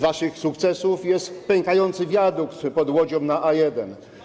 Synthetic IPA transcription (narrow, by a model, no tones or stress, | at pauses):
vaʂɘxsukt̪sɛsufjɛst̪pɛŋkajɔnt̪sɘvʲjad̪ukt̪pɔd̪wɔd͡ʑɔmnaʔajɛd̪ɛn